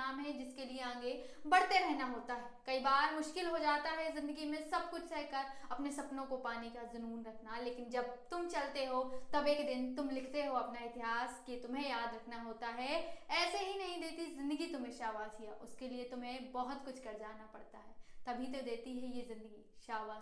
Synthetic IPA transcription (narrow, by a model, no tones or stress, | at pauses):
aːmɦɛd͡ʒɪskelieãːɡe | bɐɽt̪eɾɛɦnaɦoːt̪aɦɛːkɐibaːɾmʊʃkɪlɦod͡ʒaːt̪aɦɛzɪ̃nd̪əɡimẽsɐb̚kʊt͡ʃʰsɛɦkɐɾɐpnesɐpnõkopaːnikazʊnuːnɾɐkʰnaleːkɪnd͡ʒɐb̚t̪ʊmt͡ʃɐlt̪eɦot̪ɐbeːkd̪ɪnt̪ʊmlɪkʰt̪eɦoɐpnaɪt̪ɪɦaːskit̪ʊmɦẽjaːd̪ɾɐkʰnaɦoːt̪aɦɛɛːseɦinɐɦĩd̪eːt̪izɪ̃nd̪əɡit̪ʊmɦẽʃaːʋaːzɦijaːʔʊskeliet̪ʊmɦẽbɐɦʊt̪kʊt͡ʃʰkɐɾd͡ʒaːnapɐɽt̪aɦɛːt̪ɐbʱit̪od̪eːt̪iɦɛjezɪ̃nd̪əɡiʃaːʋaː